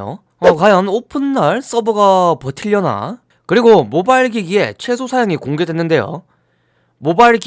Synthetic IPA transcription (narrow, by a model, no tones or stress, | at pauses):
o̰ | ʌkajʌnopʰɯnːaɭs͈ʌbɯɡapʌtʰiʎːʌna̰ | kɯɾiɡomobaɭɡiɡie̞̰t͡ɕʰe̞sʰosʰajaŋikoŋɡe̞dwenːɯnde̞jo̰ | mobaɭɡ